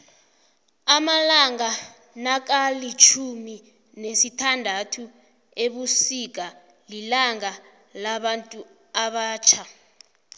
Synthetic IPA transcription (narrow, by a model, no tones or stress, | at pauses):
amalaŋa | nak̬alit͡ʃʰumi | nesitʰandʱatʰu | eɓusik̬ʼa | lilaŋa | laɓantʼu | aɓaːt͡ʃʰa